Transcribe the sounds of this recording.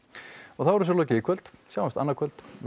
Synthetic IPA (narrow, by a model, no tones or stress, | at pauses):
ɔɣθawɛɾʏsɛlɔːcɪɪkʰvœlt̪sjawɛst̪a̰nːakʰœlt̪